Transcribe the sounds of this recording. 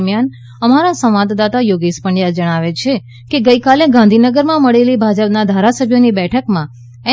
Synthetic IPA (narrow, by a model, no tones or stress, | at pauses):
mjan | əmaɾasə̃ʋʋad̪d̪at̪ajoɡispəɳjad͡ʒəɽ̃aʋet͡ʃʰe | keɡəikaleɡãnd̪ʱinəɡəɾmãməɭelibʱad͡ʒəpnad̪ʱaɾasəbʱjonibɛʈʰəkmã | e